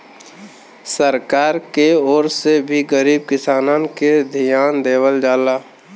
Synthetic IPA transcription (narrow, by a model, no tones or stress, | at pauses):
səɾkaːɾkeɔːɾsebʱiɡəɾiːb̚kɪsaːnãnked̪ʱijaːnd̪eːwəld͡ʒaːlaː